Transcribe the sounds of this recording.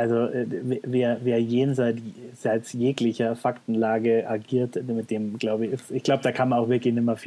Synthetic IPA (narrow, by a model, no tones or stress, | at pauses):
ʔalzoʔɛveveːɐveːɐjeːnzaɪt͡sz̥aɪt͡sjeːklɪçɐfaktn̩laːɡəʔaɐɡiːɐtmɪt̚d̥eːmɡ̥laʊbəçɪsɪçɡ̥laʊbəd̥aːkʰanmanaʊxvɪɐklɪçnɪmɐf